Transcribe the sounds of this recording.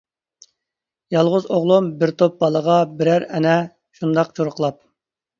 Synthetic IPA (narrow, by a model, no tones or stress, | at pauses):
jɑlˠʁʊzoʁlˠumbɪɾt̪ʰop̚bɑlˠəʁɑbɪɾæɾɛnɛ | ʃund̪ɑqt͡ʃʰoɾʊqlˠɑp̚